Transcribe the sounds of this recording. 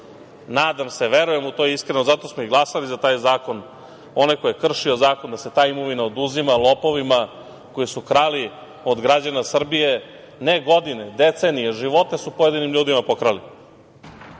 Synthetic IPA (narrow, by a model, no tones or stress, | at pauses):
naːd̪amse̞ʋe̞ɾuje̞mut̪ojeiskɾenozat̪o̞smoiɡlˠasalizat̪aːjzaːko̞n | o̞najko̞jekr̩ʃio̞zaːko̞nd̪ase̞t̪aːimo̞ʋinaod̪uzimalˠo̞po̞ʋima | ko̞jisukɾali | o̞d̪ɡɾad͡ʑanasr̩bije̞ | neɡo̞d̪ine̞d̪et̪senijeʒiʋo̞t̪ne̞supo̞je̞d̪inimʎuːd̪imapo̞kɾali